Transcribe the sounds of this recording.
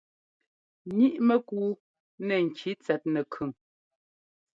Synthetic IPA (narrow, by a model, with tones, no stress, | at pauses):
ɲi˦ʔmə˦kuː˦ | nɛ˨ŋ̩˨kʰi˨˦t͡sɛ˨t̚nɛ˨kʰʉ˨ŋ